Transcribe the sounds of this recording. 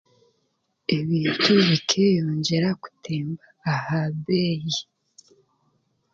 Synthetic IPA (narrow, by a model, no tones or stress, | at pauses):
e̞βiːntʰuβikʰejoːɲɟe̞ɾaku̥tʰeːmbaːhaβeːji